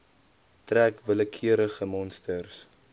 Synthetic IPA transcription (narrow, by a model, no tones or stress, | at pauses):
trækvələkʰiəɾəχəmɔnstərs